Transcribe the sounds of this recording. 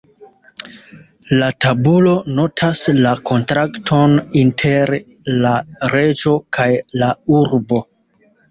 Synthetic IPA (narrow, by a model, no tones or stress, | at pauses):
latabulo̞no̞tʰaslakʰo̞ntɾaktʰo̞nintʰe̞ɾ | laɾe̞d͡ʒo̞kʰajlauɾbo̞